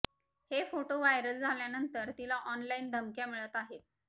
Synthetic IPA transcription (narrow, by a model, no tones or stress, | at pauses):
hefoʈoʋajɾəld͡zʱaljanənt̪əɾt̪ilaʔɔnlaind̪ʱəmkjamiɭət̪aɦet̪̚